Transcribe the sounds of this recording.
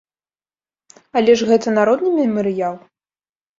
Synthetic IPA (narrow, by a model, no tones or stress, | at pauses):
ɐlʲɛʂɣɛt̪ɐnaɾɔd̪nɨmʲɛmɨɾɨjalˠ